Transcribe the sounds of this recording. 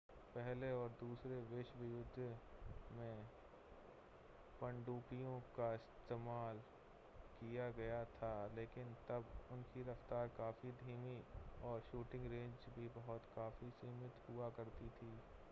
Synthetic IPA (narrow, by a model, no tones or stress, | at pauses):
pɛɦleɔːɾd̪uːsɾeʋɪʃʋɪjʊd̪ʱ | mẽ | pə̃ɳɖuːpijõkaɪst̪eːmaːl | kijaɡɐjat̪ʰaleːkɪnt̪ɐbʊnkiɾɐft̪aːɾkaːfid̪ʱiːmiɔːɾʃuːʈɪ̃ŋɡɾẽːɲd͡ʒbʱibɐɦʊt̪kaːfisiːmɪt̪ɦʊakɐɾt̪it̪ʰiː